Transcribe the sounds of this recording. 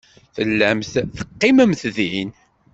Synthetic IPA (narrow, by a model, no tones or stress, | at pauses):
θəlːæmθθə̥qːɪməmθðin